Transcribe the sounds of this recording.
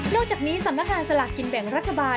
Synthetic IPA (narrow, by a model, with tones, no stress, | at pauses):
nɔː˥˩k̚t͡ɕaː˨˩k̚niː˦˥sa˨˩˦mna˥k̚ŋaː˧nsa˧la̰˨˩ki˧nbɛ˨˩˦ŋɾa˦˥t̪ʰːa˧baː˧